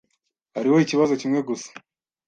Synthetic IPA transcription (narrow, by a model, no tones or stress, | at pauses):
haɾiwo̞iciβazo̞cimŋe̞ɡusḁ